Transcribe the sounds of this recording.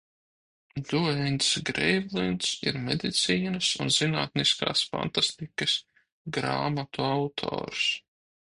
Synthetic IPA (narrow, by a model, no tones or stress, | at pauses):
d̪uɛnt̪sɡɾɛjvlˠint̪sḭɾmed̪it̪siːnɐsunzinaːt̪niska̰ːsfa̰nt̪ast̪ikɐs | ɡɾa̰ːmat̪uawt̪ʰɔ̰ːɾs